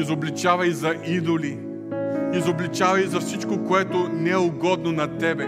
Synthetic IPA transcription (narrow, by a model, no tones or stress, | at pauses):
izoblit͡ʃavɐjzɐʔid̪oli | izoblit͡ʃavɐjzɐfsit͡ʃkokoɛt̪ʊnɛɛʊɡɔd̪nonɐt̪ɛbɛ